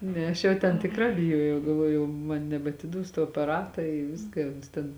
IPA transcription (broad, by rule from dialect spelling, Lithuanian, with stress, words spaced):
ˈnʲɛ ˈɐʃ jɛʊ tʲɛn tʲɪkˈrɑː bʲɪˈjuɔjɛʊ ɡɐlˠˈʋuɔjʊ jɛʊ ˈmɐn nʲɛbɐtʲɪˈduɔs tuɔ ɐpɐˈrɑːtɐ ɪ ˈʋʲɪskɐ ɪ ˈʊns tʲɛn